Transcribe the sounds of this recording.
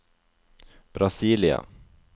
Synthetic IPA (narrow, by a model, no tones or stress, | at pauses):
b̥ɾasiːlɪa̰